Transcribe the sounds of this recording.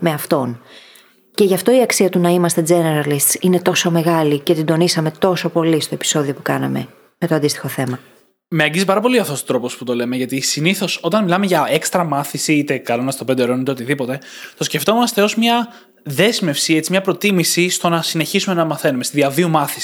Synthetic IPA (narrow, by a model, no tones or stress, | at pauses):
me̞ɐft̪o̞n | ce̞ʝɐft̪o̞iɐksiɐt̪unɐimɐst̪e̞d͡ze̞neɾɐlist̪sine̞t̪o̞so̞me̞ɣɐlice̞t̪id̪o̞nisɐme̞t̪o̞so̞po̞list̪o̞e̞pi̥so̞ðio̞pukɐnɐ̰me̞̰ | met̪o̞ɐnd̪ist̪i̥xo̞θe̞mɐ | meɐɲɟizipɐɾɐpo̞liɐft̪o̞st̪ot̪ɾoposput̪o̞le̞meʝɐt̪isiniθo̞so̞t̪ɐnmilɐmeʝɐekst̪ɾɐmɐθisiit̪e̞kɐlonɐst̪o̞pend̪eɾonit̪eot̪iðipo̞t̪e̞t̪osceft̪o̞munɐst̪eo̞smɲɐ | ðe̞zme̞fsiet͡simɲɐpɾo̞t̪imisist̪o̞nɐsine̞çisume̞nɐmɐθe̞numest̪iðiɐðiumɐθi̥si̥